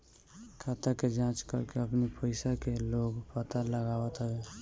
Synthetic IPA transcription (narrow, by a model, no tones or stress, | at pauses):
kʰat̪aked͡ʒãt͡ʃkə̰ɾkeəpnipʰəɪsakeloɡpət̪aləɡawət̪ɦəbe